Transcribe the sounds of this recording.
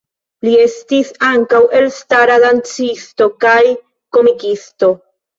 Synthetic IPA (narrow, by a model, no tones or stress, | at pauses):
lie̞stisaŋkawe̞lstaɾadant͡sisto̞kaj | ko̞mikisto̞